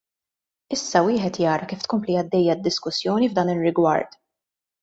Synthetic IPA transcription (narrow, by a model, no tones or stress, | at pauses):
ɪsːɐwɪːħɛt̪jɐːɾɐkiːft̪kɔmpliɐd̪ːɛjːɐd̪ːɪskʊsːjɔːnivd̪ɐːnɪrːɪɡwɐ̰ɾt̪